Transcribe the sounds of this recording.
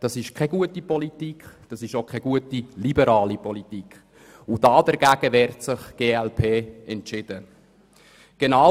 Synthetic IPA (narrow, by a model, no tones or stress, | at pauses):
d̥ɑsɪʃkʰɛɡuətipɔlitikd̥ɑsɪʃokʰχɛɡ̥uətilibəɾɑːlipɔlitik | ʊd̥ɑːdɛɾɡ̥æɡ̥əʋɛːɾtsɪχɡ̥eːɛlpʰeːɛntt͡ʃɪd̥ə | ɡ̥enɑ